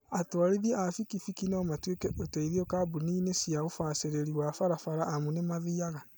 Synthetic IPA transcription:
atwaɾiðjɛafikifikinaɔmatwekɛʔoteiðiɔkabuniːnesiaɣofaseɾeɾiwafaɾafaɾaʔːmunemaðiaɣa

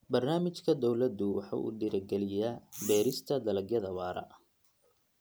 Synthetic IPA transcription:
bɐrnaːmɪt͡ʃkʰɐd̪ɔwlɐd̪ʊwɑħɑ̰ʔṵːɖɪɾɐɡɛlɪjabɛːɾɪst̪ʰɐd̪ɐlɐɡjɐðɐwɑːɾɐ̰

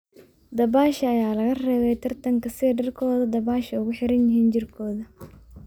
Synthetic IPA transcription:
d̪ɐβaːʃɐɐjaːlɐɣɐrɛːβɛjt̪ʰɐrt̪ʰɐŋkʰɐsɪɖɐrkʰɔːðɐd̪ɐβaːʃɐʊɣʊħɪɾɐnjɪɦiːnt͡ʃɪrkʰɔːðɐ

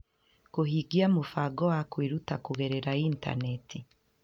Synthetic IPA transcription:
kuhiɡiamufaɡɔwakwiɾutakuɣeɾeɾainta̰netʰi

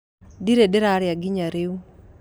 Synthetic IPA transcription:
diɾedeɾaɾjaɡɪɲaɾeu

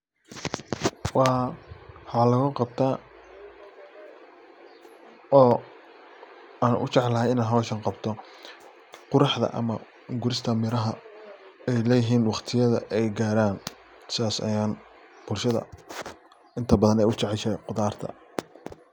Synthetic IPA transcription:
wɑ | ħɑːlɐɣʊqɑb̚t̪ʰaː | ɔː | aːnʔʊ̰t͡ʃɛʕlɐɦɛjɪnaːnɦɐwʃɐnqɑbt̪ʰɔ | qʊɾɑħðɐ̰ʔɐ̰mɐ | ɡʊɾɪst̪ʰɐmɪɾɐɦɐ | ɛjlɛːjɪɦiːnwɑqt̪ʰɪjɐðɐ̰ʔɛjɡaːɾaːn | sɪðaːsɐ̰jaːn | b̥ʊlʃɐðɐ̰ | ɪnt̪ʰɐbɐðɐnɛjʊt͡ʃɛʕɛlʃɛjqʊðaːrt̪ʰɐ̰

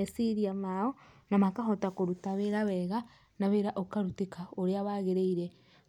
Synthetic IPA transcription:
esiɾiamaɔnamakaɦotakoɾutaβeɾawɛɣa | naβeɾaʔokaɾutikaoɾeaβaɣeɾeiɾe

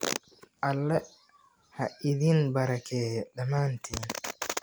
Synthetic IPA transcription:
ʔalːɛ | haʔiðinbaɾakɛːɗamaːntʰin

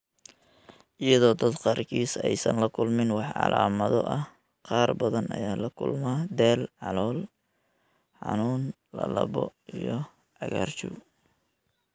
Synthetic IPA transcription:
ʔɪjɐðɔːd̪ɐd̪qɑːrkʰiːsɛjsɐnlɐkʰʊlmɪnwɑħʕɑ̰lʔaːmɐðɔ̰ʔɐh | qɑːrbɐðɐnɐjaːlɐkʰʊ̰lmaːd̪ɛːlʕɑlɔːl | ħɑ̰nuːn | lɐlɐβɔijɔ | ʕɑɣaːrt͡ʃuw

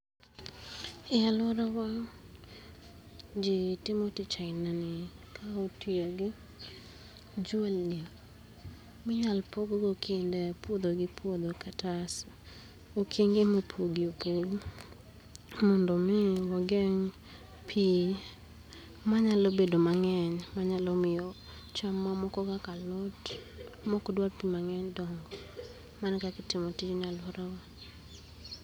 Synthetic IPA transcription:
ɪalɔɾawa | d͡ʒɪtɪmɔtɪt͡ʃaɪnanɪkaotiaɡɪ | d͡ʒelːi | mɪɲalpoɡɡokʰendɛpwod̪oɡɪpʰwod̪okatas | okʰiŋɡɪmepʰoɡiopoɡ | mɔndɔmɪwɔɡɛŋ | pʰi | maɲalɔbedomaŋɛɲmaɲalɔmɪjɔ | t͡ʃamːamɔkɔkakalɔt | mɔkɔdwalpimaŋɛɲdɔŋɡɔ | mankakɪtɪmotit͡ʃnɪalwɔɾawa

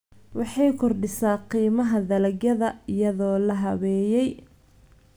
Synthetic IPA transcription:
wɑħɑjkʰɔrɖɪsaːqiːmɐɦɐðɐlɐɡjɐðɐɪjɐðɔːlɐɦɐwɛːjɛj

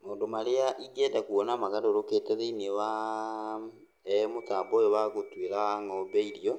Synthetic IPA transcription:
moːndomaɾeaʔiɡiɛdakuɔnamaɣadoɾoketɛðeinewa | motaːbɔjowaɣotweɾaaŋɔbɛiɾiɔ

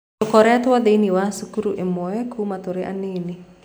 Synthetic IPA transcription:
ɔkɔɾɛat̪uwad̪einiwasukuɾuʔɛmoekʰumat̪uɾɛʔa̰nini

